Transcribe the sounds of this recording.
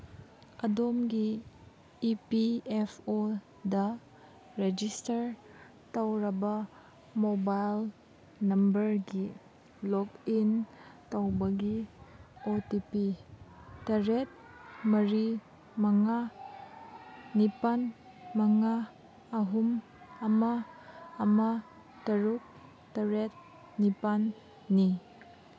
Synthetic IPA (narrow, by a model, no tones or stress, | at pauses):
ɐdomɡiː | piepʰo | dɐ | ɾed͡ʒistɐɾ | tawɾɐbɐ | mobajl | nɐmbɐɾɡi | lɔkintɐwbɐɡi | otipi | tɐɾet̚ | mɐɾi | mɐŋa | ipan | mɐŋaː | ɦum | ɐmaː | ma | tɐɾuk̚ | tɐɾet̚ | nipanː | i